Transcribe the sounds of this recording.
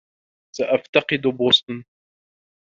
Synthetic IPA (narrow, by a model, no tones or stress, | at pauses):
saʔaft̪ɑqɨd̪bʊsˤt̪n